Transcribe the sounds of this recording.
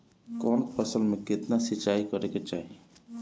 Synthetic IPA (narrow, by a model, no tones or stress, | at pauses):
kɔnpəsəlmekɪt̪nasit͡ʃaikəɾeket͡ʃaɦi